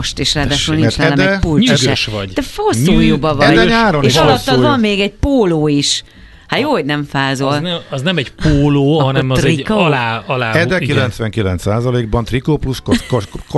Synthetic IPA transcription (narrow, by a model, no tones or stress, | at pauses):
ʃt̪eːʃraːd̪aːʃullniɛt͡ʃ̪aɛlɛd̪ɛpuliɡɛʃʋɔɟd̥̪ɛfosuːjobɒvɒd̪ɛɲaːɾoneːiʃɒlɔt̪ːɒzɒmmeːɡɛɟ̚poːloːiʃ | hajoːhoɟnɛɱfaːzolɛɒznɛmɛɟpoːloːɦɒnɛmiklaɒlaːɛd̪ɛkilɛnt̪sʋɛŋkilɛnt̪saːzɒleːɡ̚bɒnt̪rikoːpluʃkk